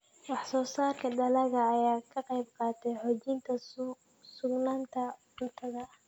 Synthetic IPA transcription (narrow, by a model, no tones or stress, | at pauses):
wɑħsɔːsaːrkʰɐɖɐlɐɣɐːjaːkʰɐqɑjbqɑːt̪ʰɛjħɔːt͡ʃɪnt̪ʰɐ | sʊɡnaːnt̪ʰɐ | ʊt̪ʰɐɣɐ